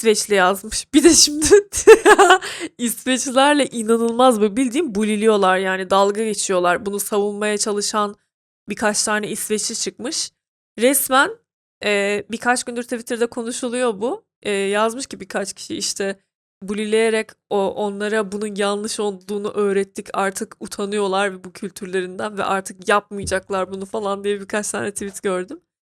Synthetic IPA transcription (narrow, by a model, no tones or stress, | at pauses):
vɛt͡ʃlʲɛjazmɯʃb̥id̪ɛʃimd̪ɪ | ist̪vet͡ʃlʲæɾlʲɛʔinanɯlˠmazbubilʲd̪iːmbulʲilʲijo̞lˠaɾjaːnid̪alˠɡaɟe̞t͡ʃʰijo̞lˠaɾbunusavunmajat͡ʃʰalˠɯʃan | bikʰat͡ʃt̪ʰaːnʲɛisvet͡ʃʰit͡ʃʰɯk̚mɯʃ | ɾɛsmæn | ɛbikʰat͡ʃɟynd̪yɾt̪ʰivit̪ɾid̪ɛkʰo̞nuʃulˠujo̞bu | ɛːjazmɯʃcibikʰat͡ʃcʰi̥ʃiiʃt̪ʰɛ | bulʲilʲe̞jeɾɛcoʔo̞nlˠaɾabununjanlˠɯʃo̞lˠd̪lˠuːnuʔø̞ːɾɛt̪ʰːicʰaɾt̪ʰɯkut̪ʰanɯjo̞lˠaɾvɛbucʰylʲt̪ʰyɾlʲe̞ɾind̪ænvɛ̰ʔaɾt̪ʰɯkjapmɯjd͡ʒaklˠaɾbunufalˠand̪ijɛbikʰat͡ʃt̪ʰa̰ːnɛt̪ʰivit̪ɟø̞ɾd̪ym